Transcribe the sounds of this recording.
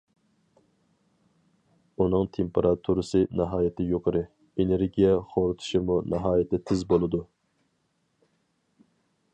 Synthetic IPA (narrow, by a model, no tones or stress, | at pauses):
unɨŋt̪ʰempʰeɾʔɑt̪ʰuɾɨsɨnɑɦɑːjɪt̪ʰɪjoqʰəɾɨ | eneɾɡʲijɛχoɾɨt̪ʰu̥ʃɪmunɑɦɑːjɪt̪ɪt̪ʰɪzbolˠɨd̪u